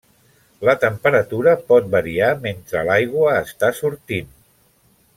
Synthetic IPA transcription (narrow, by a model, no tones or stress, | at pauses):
lət̪əmpəɾət̪uɾəpɔt̪̚bəɾiament̪ɾəlajɣ̞wəːst̪asuɾt̪in